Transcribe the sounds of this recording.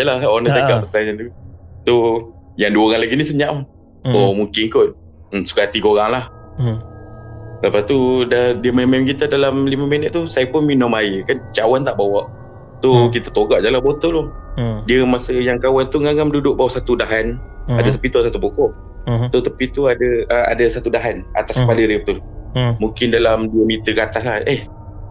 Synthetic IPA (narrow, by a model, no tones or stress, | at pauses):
d͡ʒalahonət̪əɡaʔpəsanant̪ujaŋduəɣanlaɡinisəɲam | omuŋkɪnkʊn̩̚ | su̥kaat̪ikoɾaŋlah | ləpast̪udadiəmamamkit̪adalamlimaminət̪̚t̪ːusajəpʊnminɔmajəkant͡ʃawant̪aʔbawaʔ | t̪ukit̪at̪oɡaʔd͡ʒalahbot̪ɔlʊdiəmasəjaŋkawant̪uŋaɡamdudʊʔ̚bawaʔsat̪udaɦana̰dat̪əpit̪uadəsat̪upukɔʔ | t̪ʊt̪əpit̪uadəəa̰dasat̪udaɦana̰t̪askəpalədəp̚t̪ʊl | muŋkɪndalamdiəmit̪əkat̪aɦlaheh